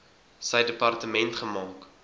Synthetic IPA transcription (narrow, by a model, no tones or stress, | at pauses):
səjdəpɐrtəmɛntχəmɑːk